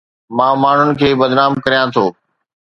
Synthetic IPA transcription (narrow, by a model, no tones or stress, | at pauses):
mãːmaːɳ̤ʊnɪ̆kʰeːbɐd̪naːmkɐɾijãt̪ʰoː